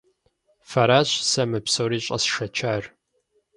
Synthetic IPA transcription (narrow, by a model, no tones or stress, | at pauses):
fɐɾaːɕsɐmɨpsowɾiːɕʼɐ̰sʂɐt͡ʃʰaːr